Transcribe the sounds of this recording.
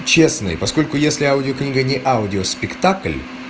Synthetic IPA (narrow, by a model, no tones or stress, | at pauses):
t͡ɕesnɨ̰jpɐsko̞lʲkʊjesʲlʲɪaʊdʲɪoknʲiɡənʲɪʔaʊdʲɪospʲɪkt̪aklʲ